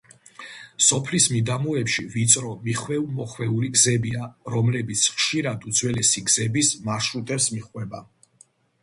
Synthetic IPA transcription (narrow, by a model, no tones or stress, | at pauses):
sɔpʰlismid̪amuɛpʃivit̪sʼɾɔmiχwɛumɔχwɛuliɡzɛbiaɾɔmlɛbit̪sʰχʃiɾad̪ud̪zwɛlɛsiɡz̥ɛbismaɾʃɾut̪ʼɛɾsmiχwɛba